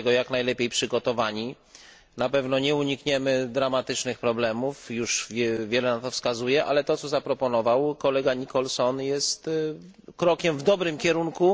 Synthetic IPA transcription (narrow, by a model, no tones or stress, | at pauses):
ɛɡɔjaknajlɛpʲjejpʂɘɡɔt̪ɔvaɲi | napɛvn̪ɔɲɛuɲikɲɛmɘd̪ɾamat̪ɘt͡ʂnɘxpɾɔblɛmufjuʂɛvʲjɛlɛnat̪ɔfskazujɛʔa̰lɛt̪ɔt̪sɔzapɾɔpɔnɔvawkɔlɛɡaɲikɔlsɔnjɛst̪ | kɾɔkʲɛmvd̪ɔbɾɘmkʲɛɾuŋku